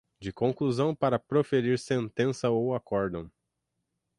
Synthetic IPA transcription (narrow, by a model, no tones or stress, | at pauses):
d͡ʒɪkõkluzɐ̃w̃paɾɐpɾofeɾiɾsẽnt̪ẽsɐowakɔɾd̪ɐ̃w̃